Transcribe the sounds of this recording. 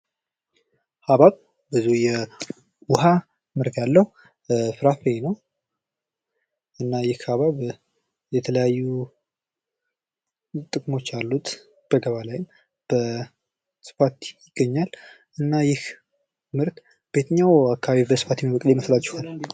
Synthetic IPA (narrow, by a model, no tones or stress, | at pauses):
haβaβ | bɨzujɛ | wʊha | mɨɾɡalːəhu | fɨɾafenəw | ʔɨnːajɪhhaβaβ | jɛt̪ʰələjajːu | t̪ʼɨkʼmo̞t͡ʃːalːut̪ | b̥əɡəβalajɪm | b̥ə | sɨ̥fat̪jɪɡ̥ːəɲːal | ʔɨnːajɪh | mɨɾt̪ | b̥e̞t̪ʰəɲːawakʰːaβaβibəsɨfat̪jɛmibəkʼlejməslat͡ʃːɛ̥hal